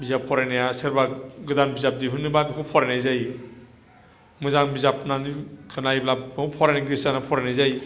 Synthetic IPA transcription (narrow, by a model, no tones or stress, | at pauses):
bizapʰːɔɾajnejasɯɾbaɡɯdanbizap̚diɦunːɯbabikʰupʰɔɾanajzaj | mɯzaŋbizap̚nanikʰɯnajblakupʰɔɾaniɡɾisanapʰɔɾanajzaj